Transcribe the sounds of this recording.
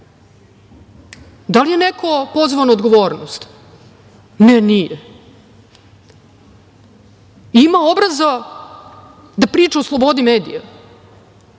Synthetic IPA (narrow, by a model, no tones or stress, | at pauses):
d̪alijenekʰo̞po̞zʋanood̪ɡo̞ʋo̞ːɾnost̪ | nɛnije | imao̞bɾaza | d̪apɾiːt͡ʃaoslˠobo̞d̪imeːd̪ḭja